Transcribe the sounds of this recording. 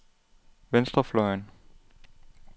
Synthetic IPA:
ʋensd̥ɐflɒɪn

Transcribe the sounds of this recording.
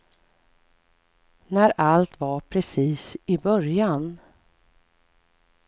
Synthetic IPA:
næɾalt̪vaɾpʰɾɛsiːsɪbœɾjan

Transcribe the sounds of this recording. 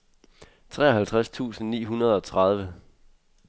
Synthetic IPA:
t͡sʰʁɛ̰ːɒ̽ɦælt͡sʰʁast͡sʰṵːsn̩nḭːɦunɐð̞ˠɒ̽t͡sʰʁað̞ˠʋə

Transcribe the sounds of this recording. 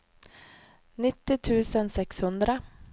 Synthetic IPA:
nɪt̪ːɪt̪ʰʉ̟ːsənsɛkshɵnd̪ɾə

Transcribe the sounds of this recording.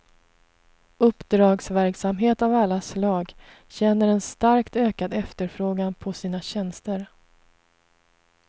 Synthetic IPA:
ɵpːd̪ɾɑːɡsvæɾksamɦeːt̪avalːaslɑːɡ | ɕɛnːəɾɛnst̪aɾkt̪øːkad̪ɛft̪əɾfɾoːɡanpʰɔsiːnaɕɛnst̪əɾ

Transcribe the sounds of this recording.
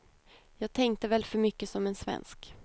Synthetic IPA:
jɑːɡ̚t̪ʰɛŋkt̪əvɛlfœɾmʏkːəsɔmɛnsvɛ̰nsk

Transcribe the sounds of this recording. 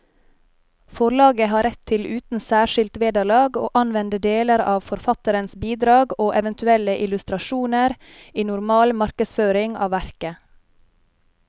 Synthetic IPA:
fɔɭɑːɡəɦɑːɾɛt̪ʰːɪlʉːt̪n̩sæːʃɪlt̪ʋeːd̪əɭɑːɡo̰ːʔɑnʋɛnd̪əd̪eːləɾɑːʋfɔɾfɑt̪əɾənsbiːd̪ɾɑːɡoːʔɛʋənt̪ʉɛləʔɪlʉst̪ɾɑʃuːnəɾ | iːnʊɾmɑːlmɑɾkəsføːɾɪŋɑ̰ːʋæɾkə

